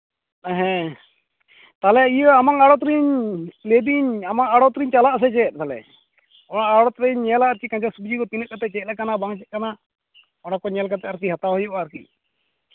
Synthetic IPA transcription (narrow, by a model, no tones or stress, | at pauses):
ɛɦɛ̃ | t̪alɛijəamaŋaɽɔt̪ɾiɲled̪iɲamaŋaɽɔt̪ɾiɲt͡ʃalaʔs̬ɛt͡ʃɛt̪̚ˀt̪alɛ̰ | ɔɽ̃aʔaɽɔt̪ɾiɲːɛlaʔaɾkikaɲd͡ʒasubd͡ʒikɔt̪inəʔ̚kat̪ɛt͡ʃɛt̪̚lɛkanabaŋt͡ʃɛt̪̚kana | ɔɽ̃akɔɲɛlk̬at̪ɛaɾk̬iɦat̪aɦɔjɔʔaːɾkḭc̚